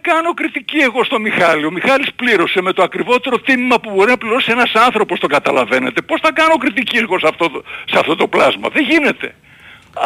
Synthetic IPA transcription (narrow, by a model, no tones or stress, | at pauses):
kɐno̞kɾit̪icieɣo̞st̪o̞mixɐlio̞mixɐlispliɾo̞se̞me̞t̪oɐkɾivo̞t̪e̞ɾot̪inimɐpubo̞ɾinɐpliɾo̞sie̞nɐsɐnθɾo̞po̞st̪oɡɐt̪ɐlɐ̰ve̞ne̞̰t̪e̞po̞sθɐkɐnokɾit̪icieɣo̞sɐft̪otsɐ̰ft̪o̞t̪o̞plɐzmɐ̰ðeʝine̞t̪e̞̰